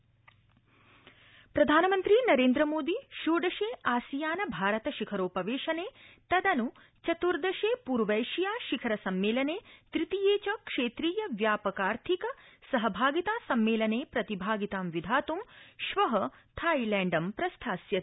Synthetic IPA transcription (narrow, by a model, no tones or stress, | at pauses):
pɾɐd̪ʱaːnɐmɐnt̪ɾinɐɾeːnd̪ɾɐmoːd̪iʃoːɖɐʃeːaːsijaːnɐbʱaːɾɐt̪ɐʃikʰɐɾoːpɐʋeːʃɐneːt̪ɐd̪ɐnu | t͡ʃɐt̪uɾd̪ɐʃeːpuːɾʋɐjʃijaːʃikʰɐɾɐsɐmːeːlɐneːt̪ɾit̪ijeːt͡ʃɐkʂeːt̪ɾiːjɐʋjaːpɐkaːɾt̪ʰikɐsɐɦɐbʱaːɡit̪aːsɐmːeːlɐneːpɾɐt̪ibʱaːɡit̪aːmʋid̪ʱaːt̪umʃʋɐɦɐt̪ʰaːjlɛːɳɖɐmpɾɐst̪ʰaːsjɐt̪